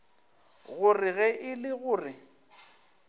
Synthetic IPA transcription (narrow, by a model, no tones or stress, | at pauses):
ɣʊrɪɣɛʔɪlɪɣʊːrɪ